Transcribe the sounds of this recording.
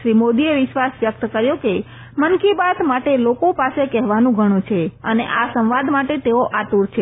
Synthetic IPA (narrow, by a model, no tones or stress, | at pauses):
ʃɾimod̪ieʋɪʃʋasʋjək̚t̪kəɾjoke | mənkibat̪maʈelokopasekɛɦʋanũɡʱəɽ̃ũt͡ʃʰeəneʔasə̃mʋad̪maʈet̪eoʔat̪uɾt͡ʃʰe